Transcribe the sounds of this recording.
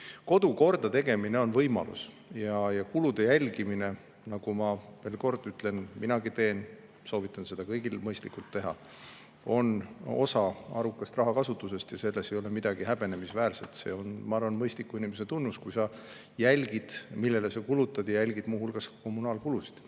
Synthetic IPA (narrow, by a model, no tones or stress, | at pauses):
ko̞d̪̥uko̞rd̪̥ɑt̪e̞ɡ̥e̞mineo̞nvɤjmɑ̰lṵs | jɑjɑkulud̪̥e̞jælʲɡimine̞ | nɑɡ̥umɑve̞ːlko̞rd̪yt̪ːˑle̞nminɑɡit̪e̞ːn | so̞ːvit̪ːˑɑnse̞d̪̥ɑkɤjɡilmɤjst̪likːˑult̪ːe̞ɦɑ̰ | o̞no̞̰sɑɑɾukːˑɑst̪rɑɦɑkɑsut̪ːˑuse̞st̪jɑse̞lːesejo̞le̞mid̪̥ɑɡ̥iɦæb̥e̞ne̞misvæːɾse̞lt̪se̞̰ːo̞nmɑɑrvɑnmɤjst̪likːuinimeset̪unːuskujsɑ | jælʲɡ̥id̪̥milːe̞lesekulut̪ːˑɑd̪̥jɑjælʲɡ̥id̪muːɦulɡ̥ɑsko̞munɑːlkulusi̥d̪̥